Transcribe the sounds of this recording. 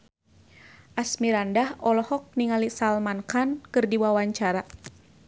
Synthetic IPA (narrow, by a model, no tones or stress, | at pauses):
ʔasmiɾandahɔlɔhɔk̚niŋalisalmankankɨrdiwawaɲt͡ʃaɾa